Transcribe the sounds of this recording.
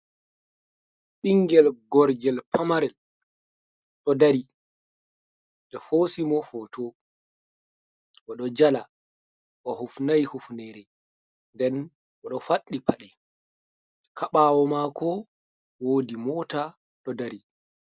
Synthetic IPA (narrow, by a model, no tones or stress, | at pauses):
ɗiŋɡɛlɡɔɾɡɛlpamaɾɛl | ɗɔdaɾi | d͡ʒɔfosimɔfotʰo | ʔɔɗɔd͡ʒala | ʔɔhufnajhufnɛɾɛ | ndɛn | ʔɔɗɔfaɗːipaɗɛ | kʰaɓaːwɔmakʰɔ | wodimɔta | ɗɔdaɾi